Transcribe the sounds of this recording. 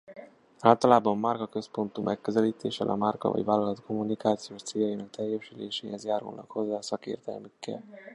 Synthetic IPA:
aːlt̪ɒlaːbɒmːarkɒkø̞spo̞nt̪umʔɛkːøzɛliːt̪eːʃɛ̰lʔɒ̰markɒ̰vɒ̰ɟʋaːlːɒlɒt̪ko̞mːunikaːt̪sijoːʃt̪seːjɒjinɒk̚t̪ɛjːɛʃylḛːʃeːɦɛzjaːɾṵlnɒkho̞zːaːsɒkḛːrt̪ɛ̰lmykːɛ̰l

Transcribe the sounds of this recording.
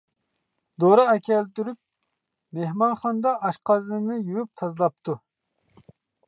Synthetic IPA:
d̪oɾɑɛkʲʰɛlt̪yɾyp̚ | mehmɑnχɑnd̪ɑʔɑʃqʰɑzɨnɨnɨjyjyp̚t̪ʰɑzlˠɑp̚t̪ʰu

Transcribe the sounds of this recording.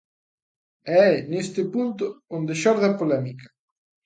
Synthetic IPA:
ɛɛnest̪ɪpunt̪ʊond̪ɪʃɔɾðɐpolɛmikɐ̥

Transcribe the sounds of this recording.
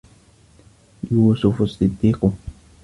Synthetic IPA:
juːsʊfʊsːɪd̪ːiːqʊ

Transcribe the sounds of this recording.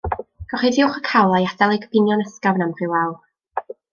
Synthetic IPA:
ɡ̥ɔχɪdɪʊχəkʰawlˠajadɛlˠejɡəb̥ɪnjɔnəskavnamr̥ɪwlaw

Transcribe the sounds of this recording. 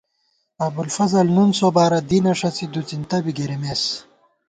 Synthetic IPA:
ɐbulfɐzɐlnunsobaːɾɐd̪inɐʂɐt͡sid̪ut͡sint̪ɐbiɡeɾemes

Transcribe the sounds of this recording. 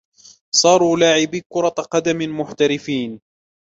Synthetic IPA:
sˤɑːɾˤuːlaːʕɪbikʊɾˤɑt̪ˤqɑd̪amɪmʊħt̪aɾɪfiːn

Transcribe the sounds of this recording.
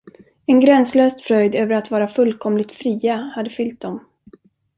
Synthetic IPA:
ɛnɡɾɛnsløːst̪fɾœjd̪øːvəɾat̪vɑːɾafɵlːkʰɔmlɪt̪fɾiːahad̪ːəfʏlt̪̚d̪ɔm

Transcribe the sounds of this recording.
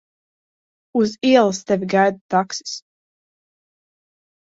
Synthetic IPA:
uziɛlˠst̪ɛvʲiɡajd̪t̪aksi̥s

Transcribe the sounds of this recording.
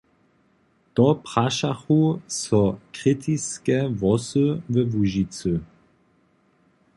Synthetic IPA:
t̪ɔpʁ̥aʃaxusɔkʁit̪ʰiskɛvɔsəvəvuʒit͡sə

